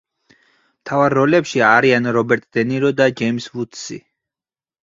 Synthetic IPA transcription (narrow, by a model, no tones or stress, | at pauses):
mt̪ʰavaɾːɔlɛpʃiaɾianɾɔbɛɾt̪ʼd̪̥ɛniɾɔd̪ad͡ʒɛimsvut̪ʰsḭ